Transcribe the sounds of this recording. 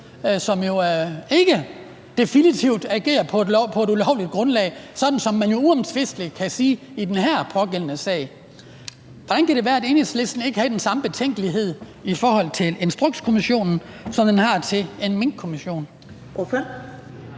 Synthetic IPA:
sɒ̽mjo̝e̝ɡ̥ə | d̥e̝finit͡sʰiʊd̥æɡ̥e̝̰ːɐpʰɒ̽pʰɒ̽e̝ɾulɒʊ̰lid̥̚ɡ̥ʁɔ̽nlɛ̰ɪsɒ̽d̥n̩sɒ̽mːænjo̝uɒ̽mt͡sʰʋe̝sd̥likʰæsiː | id̥enɦæɐ̰pʰɒ̽ɡ̥el̰ənəsɛ̰ɪ̰ | ʋɒ̽d̥ænkʰæɾ̥e̝ʋæːɐæɾe̝nesle̝sd̥n̩e̝ɡ̥əhæd̥ensɑ̈məb̥e̝t͡sʰeŋ̰ɡ̥əliɦe̝ð̞̰ˠifɒːɦɒ̽l̰t͡sʰe̝le̝nsd̥ʁɔɡ̥skʰo̝miɕo̝̰ːnn̩sɒ̽md̥enɦɑ̈t͡sʰe̝e̝nmeŋ̥̚kʰo̝miɕo̝̰ːn

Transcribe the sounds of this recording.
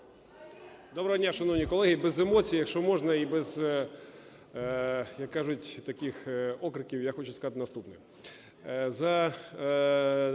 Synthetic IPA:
d̪ɔbɾɐɦɔdʲnʲaʃɐnɔwnʲikɔlˠɛɦɪbɛzemɔt͡sʲijjɐkʃt͡ʃɔmɔʒnɐibɛz̥ | jɐkːaʒʊtʲt̪ɐkʲixɔkɾɪkʲiwjaxɔt͡ʃʊskɐzat̪ɪnɐst̪upnɛ | zɐ

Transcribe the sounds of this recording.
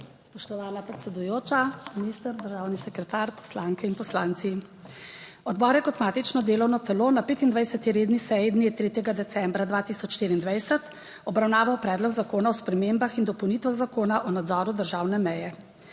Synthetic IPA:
spɔʃt̪ɔʋaːnapɾɛt̪sɛd̪ujoːt͡ʃaminiːst̪əɾd̪əɾʒaːwnisɛkɾɛt̪aɾpɔ̥slaːŋkɛinpɔslaːnt̪si | ɔd̪bɔːɾjɛkɔt̪maːt̪it͡ʃnɔd̪eːlɔwnɔt̪ɛloːnapeːt̪ind̪ʋajsɛt̪iɾeːd̪nisɛjid̪niɛt̪ɾeːt̪jɛɡad̪ɛsɛmbɾad̪vʋaːt̪isɔt͡ʃʃt̪iɾiːnd̪ʋajsɛt̪ | ɔbɾawnaːʋawpɾɛd̪lɔɡzakoːnaɔspɾɛmembaxind̪ɔpɔwnit̪ʋaɣzakoːnaʔɔnad̪zɔɾud̪əɾʒaːwnɛmɛjɛ

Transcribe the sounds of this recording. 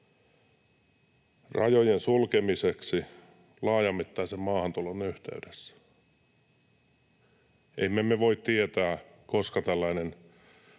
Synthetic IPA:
rɑ̰jojensulkemiseksi | lɑːjɑmːit̪ːɑisemmɑːhɑnt̪ulonyht̪ḛydesːæ̥ | ʔemːemeʋoit̪t̪iet̪æː | koskɑt̪ælːæinen

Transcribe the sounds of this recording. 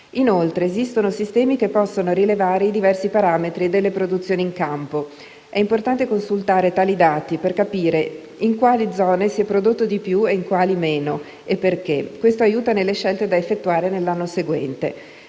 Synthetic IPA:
inolt̪ɾeːzist̪onosist̪ɛːmik̟epːɔsːonoɾilevaːɾeid̪ivɛrsipaɾaːmet̪ɾied̪elːepɾod̪ut̪sːjoːniːŋkampo | ɛimport̪ant̪ekonsult̪aːɾet̪aːlid̪aːt̪iperkapiːɾe | iŋkwaːlid̪zɔːnesiɛpːɾod̪ot̪ːod̪ipjueiŋkwaːlimeːno | epːerk̟ekːwest̪oajuːt̪anelːeʃɛlt̪ed̪aefːet̪ːuaːɾenelːanːoseɡwɛnt̪ḛ

